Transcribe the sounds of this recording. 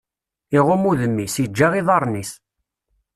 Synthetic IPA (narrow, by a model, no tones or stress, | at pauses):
iʁʊmuðəmːisid͡ʒːaʁiðˤɑɾˤnis